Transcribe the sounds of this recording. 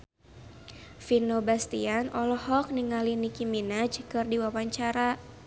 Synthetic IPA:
finobast̪ianɔlɔhɔk̚niŋalinikiminad͡ʒkɨrdiwawaɲt͡ʃaɾa

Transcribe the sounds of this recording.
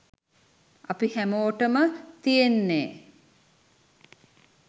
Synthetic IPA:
apihæmoːʈəmət̪ijenːeː

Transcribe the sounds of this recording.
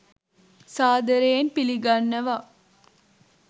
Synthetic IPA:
saːd̪əɾejːnpiliɡanːəʋa

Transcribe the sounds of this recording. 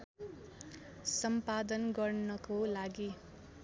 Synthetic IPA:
sʌmpad̪ʌnɡʌrnʌkolaɡi

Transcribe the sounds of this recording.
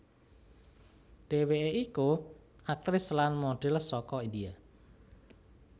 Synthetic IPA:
ɖ̥e̤weeiku | ak̚t̪ɾɪslanmoɖ̥e̤lsɔkɔind̪ia

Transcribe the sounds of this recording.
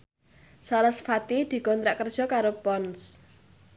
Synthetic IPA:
saləsfat̪id̪̥i̤kɔnt̪ɾaʔkərd̥ʒ̥ɔ̤kaɾopɔns

